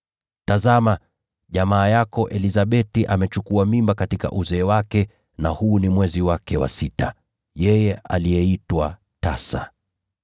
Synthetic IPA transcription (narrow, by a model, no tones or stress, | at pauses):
tazama | ʄamaːjakɔʔɛlizaɓɛtiʔamɛt͡ʃukuamimbakatika̰ʔuzɛːwakɛ | nahuːnimwɛziwakɛwa̰sita | jɛjɛa̰lijɛitwa | tasa̰